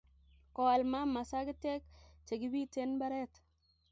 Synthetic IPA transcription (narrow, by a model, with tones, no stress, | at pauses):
ko˨a˨lma˦ma˨sa˦ɡi˦te˦kt͡ʃe˨ɡi˦bi˦te˦nba˦ɾe˦t